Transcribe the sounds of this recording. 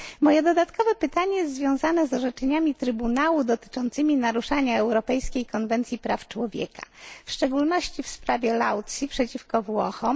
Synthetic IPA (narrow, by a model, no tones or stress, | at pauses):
mɔjɛd̪ɔd̪at̪kɔvɛpɘt̪aɲɛjɛst̪zvʲjɔ̃w̃zanɛzɔʐɛt͡ʂɛɲamʲit̪ɾɘbunawud̪ɔt̪ɘ̥t͡ʂɔnt̪sɘmʲinaɾuʂaɲaɛwɾɔpɛjskʲejkɔnvɛnt̪sʲjipɾaft͡ʂwɔvʲjɛ̰ka̰fʂt͡ʂɛɡulnɔɕt͡ɕifspɾavʲjɛlawt̪sʲipʂɛt͡ɕifkɔvwɔxɔm